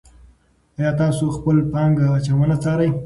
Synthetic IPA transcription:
ajɑt̪ɑsoxpəlpɑŋɡat͡ʃawanat͡sɑɾaj

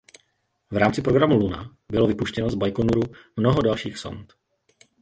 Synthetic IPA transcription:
vɾaːmt͡sɪpɾo̞ɡɾamuluna̰ | bɪlo̞vɪpuʃcɛno̞zbajkonuɾumnoɦodalʃiːxso̰nt̪

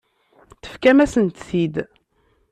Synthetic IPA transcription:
θə̥fkæmæsənt̪θid̪

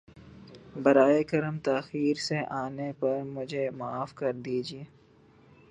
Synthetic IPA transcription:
bɐɾaːekɐɾəmt̪aːxiːɾseʔaːnepɐɾmʊd͡ʒʱemaːfkɐɾd̪iːd͡ʒieː

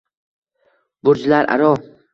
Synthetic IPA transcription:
bʊɾd͡ʒlaɾʔa̰ɾɒ

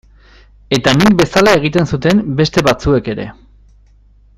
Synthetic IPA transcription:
e̞t̪anik̚be̞salae̞ɣ̞it̪e̞nsut̪e̞mbe̞st̪e̞βat͡sue̞ke̞ɾe̞̰

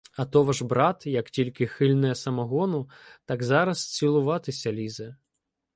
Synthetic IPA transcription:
ɐt̪ɔʋɐʒbɾɑt̪jɐktʲilʲkɪxɪlʲnɛjɛsɐmɐɦɔnʊt̪ɑɡzɑɾɐst͡sʲilˠʊʋɑt̪ɪsʲɐlʲizɛ

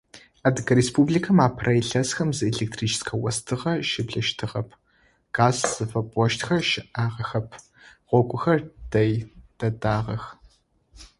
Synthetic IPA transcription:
aːdɨɡɐɾeːspublikʰɐmaːpʰrɐjɬɐsxɐmzɨeɮek̚tʰriːt͡ʃʰskʰɐwɐstʰɨʁɐʃɪbɮɐʃtʰɨʁɐpʰ | ɡ̥aːzz̥ɨfɐpʼɔʃtxɐʃɪʔaːʁɐxɐpʰ | ʁʷɔɡʷʼʊxɐrd̥ɐjd̥ɐdaːʁɐx

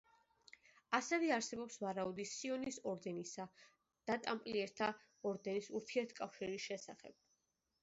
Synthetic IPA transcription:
asɛvɛaɾsɛbɔpsvaɾaud̪isiɔnisɔɾd̪ɛnisa | d̪̥at̪ʼampʼliɛɾt̪ʰa | ɔɾd̪ɛnisuɾt̪ʰiɛɾt̪ʰkʼafʃiɾisʃɛsaχɛ̰b̥̚

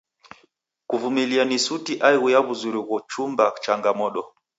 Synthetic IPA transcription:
kuvumilianisutiʔaiɣujaβuzuɾiɣɔt͡ʃumbat͡ʃaŋɡamɔɗɔ

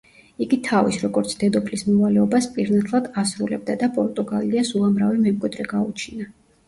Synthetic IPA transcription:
iɡit̪ʰavisɾɔɡɔɾt̪sʰd̪ɛd̪ɔpʰlismɔvalɛɔbaspʼiɾnat̪ʰʼlˠad̪asɾulɛb̚d̪ad̪apʼɔɾt̪ʼuɡaliasulˠamɾavɛmɛmkʼwid̪ɾɛɡaut͡ʃʰina

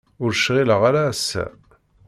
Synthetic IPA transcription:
ʊɾʃʁiləʁaɾæsːæ̰

